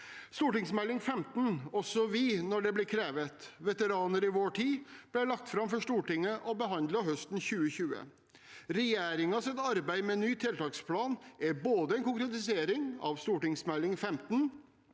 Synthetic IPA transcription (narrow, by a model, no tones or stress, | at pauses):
st̪uːʈɪŋsmɛlːɪŋfɛmt̪n̩ɔsɔʋɪnɔɖɛblɪːkʰɾeːʋət̪ʋɛt̪əɾɑːnəɾɪʋoːʈʰiːb̥lɛlɑk̚t̪fɾɑmfɔʂt̪uːʈɪŋːəʔɔbəɦɑnd̪lɑɦœst̪n̩çʉːəçʉːə̰ | ɾɛjeːɾɪŋɑsɛt̪ɑɾbæɪmɛnyːt̪ʰɪlt̪ɑːkspʰlɑːnʔæɾboːd̪əɛnkʊŋkɾɛt̪ɪseːɾɪŋɑ̰ʋst̪uːʈɪŋsmɛlːɪŋfɛmt̪n̩